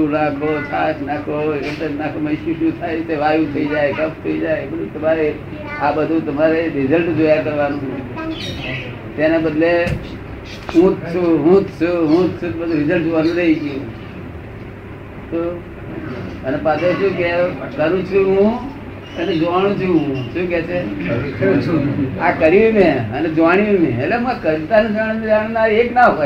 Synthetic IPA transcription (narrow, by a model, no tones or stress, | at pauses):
unakʰot̪ʰaʃnakʰoeʈenakoməʃũʃũt̪ʰajseʋajũt̪ʰəid͡ʒaːjkəp̚ʰt̪ʰəid͡ʒaːebəd̪ʱut̪əmaɾe | abəd̪ʱut̪əmaɾeɾɪzəlʈd͡ʒojakəɾʋanũ | t̪enebəd̪le | ɦũt̪t͡ʃʰuɦũt̪t͡ʃʰuɦũt̪t͡ʃʰubəd̪ʱũɾɪzəlʈʋəñɾəid͡ʒʰjũ | t̪o | ənepat̪et͡ʃʰũkekəɾũt͡ʃʰuɦũ | ened͡ʒoʋaɽ̃ũt͡ʃʰuɦũʃũk̬ɛt͡ʃʰe | akəɾiʋimẽəned͡ʒʋaɽ̃iʋĩmḛ̃elemakəɾit̪anid͡ʒañnid͡ʒaɳ̃naɾeknaɦo